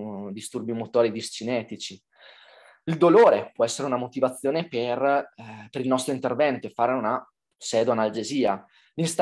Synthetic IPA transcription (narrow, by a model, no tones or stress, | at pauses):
d̪ist̪urbimot̪ɔːɾid̪ist͡ʃinɛːt̪it͡ʃi | ild̪oloːɾepwɔɛsːeɾeunamot̪ivat̪sːjoːneperpeɾilnɔst̪ɾoint̪ervɛnt̪oefːaːɾeuna | sɛːd̪oanald͡ʒeziːa | linst̪